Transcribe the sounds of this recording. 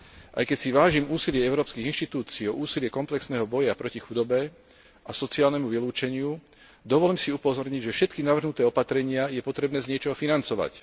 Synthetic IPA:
ʔa̰jkɛcsiʋaːʒimuːsilɪɛɛʊɾɔːpskiɣinʃt̪it̪uːt͡siːɔʔuːsilɪɛkɔmplɛksnɛːɦɔbɔjapɾɔcixud̪ɔbɛ | asɔt͡siaːlnɛmuʋiluːt͡ʃɛɲɪu | d̪ɔʋɔlɛmsiupɔzɔɾɲiɟʒɛfʃɛt̪kinaʋr̩ɦnut̪ɛːɔpat̪ɾɛɲɪajɛpɔt̪ɾɛbnɛːzɲɪɛt͡ʃɔɦɔfinant͡sɔʋa̰c

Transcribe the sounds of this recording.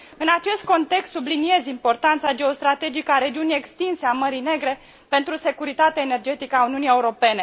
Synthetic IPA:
ɨnat͡ʃe̞st̪̚ko̞nt̪e̞kst̪sublinie̞zimpo̞rt̪ant̪sad͡ʒe̞o̞st̪ɾat̪e̞d͡ʒikəaɾe̞d͡ʒiunije̞kst̪inseaməɾine̞ɡɾe̞ | pe̞nt̪ɾuse̞kuɾit̪at̪eaene̞rd͡ʒe̞t̪ikəauniunie̞uɾo̞pe̞ne̞

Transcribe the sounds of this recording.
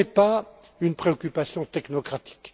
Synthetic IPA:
ɛpa | ynpχeɔkʲypasjɔ̃t̪ɛknɔkχat̪i̥k

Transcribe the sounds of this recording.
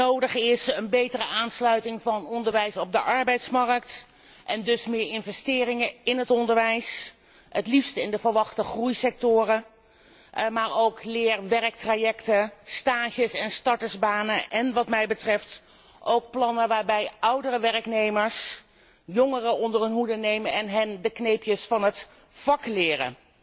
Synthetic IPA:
owdəχɪsənbejtərəaːnslœɥtɪŋvɑnɔndəɹʋɛjsɔb̚dəʔɑɹbɛjtsmɑrəkt | ʔɛndɵsmɪːɹɪnvɛstɪːrɪŋəɪnɦətɔndəɹʋɛjs | ətlifstəɪndəvəlʋɑχtəχrujsɛk̚tʊːrə | maːɹowklɪːɹʋɛrək̚trajɛktəstaːʒəsɛnstɑɹtəzbaːnəʔɛnʋɑtmɛjbətrɛft | ʔowk̚plɑnəʋaːɹbɛjʌwdərəʋɛrəknejməɹs | joŋərəɔndərənɦudənejmənɛnɦɛndəknejpjəsfɑnɦət | fɑklɪːrə̰

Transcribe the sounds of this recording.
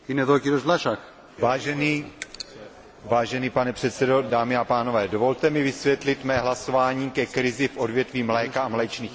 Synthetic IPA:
inɛðokiɾozlaʃax | vaːʒɛni | vaːʒɛniːpanɛpr̥ɛt̪sɛdo̞daːmɪapaːno̞vɛːdo̞vo̞lt̪ɛmɪvɪsvjɛt̪lɪt̪mɛːɦlaso̞vaːɲiːkɛkɾɪzɪfʔo̞dvjɛt̪viːmlɛːkaamlɛːt͡ʃniːx

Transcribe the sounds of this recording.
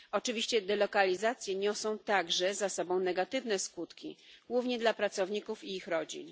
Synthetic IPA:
ɔt͡ʂɘvʲiɕt͡ɕɛd̪ɛlɔkalʲizat̪sʲjɛɲɔsɔ̃w̃t̪aɡʐɛzasɔbɔ̃w̃nɛɡat̪ɘvnɛskut̪kʲiɡwuvɲɛd̪lapɾat̪sɔvɲikufiixɾɔd͡ʑḭn

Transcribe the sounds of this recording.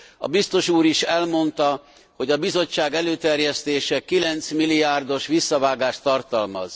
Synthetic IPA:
ɒ̰bist̪o̞ʃuːɾiʃɛlmo̞nt̪ɒ | ho̞ɟɒbizo̞t͡ʃːaːɡɛløːt̪ɛrjɛst̪eːʃɛkilɛnt̪smilːiaːrd̪o̞ʃʋisːɒvaːɡaːʃt̪ɒrt̪ɒlmɒ̰z̥

